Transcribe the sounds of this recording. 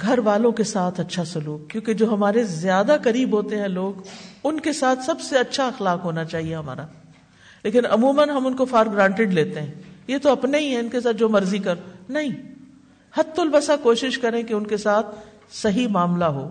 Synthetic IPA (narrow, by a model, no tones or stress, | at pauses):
ɡʱɐɾʋaːlõkesaːt̪ʰɐtːʃʰasʊluːk̚kːjõːked͡ʒoːɦɐmaːɾezjaːd̪akɐɾiːbɦoːt̪eɦɛ̃loːɡʊnkesaːt̪ʰsɐbseɐtːʃʰaɐxlaːkɦoːnat͡ʃaːɦieɦɐma̰ːɾaː | leːkɪnɐmuːmənɦɐmʊnkofaːɾɡɾãːɳʈɪɖleːt̪eɦɛ̃ːjet̪oɐpneɦiɦɛ̃ʊnkesaːt̪̚d͡ʒoːmɐɾzikɐɾonɐɦĩ | hɐt̪ːʊlbɐsakoːʃɪʃkɐɾẽkeʊnkesaːt̪̚ʰ | sɐɦimaːmlaɦoː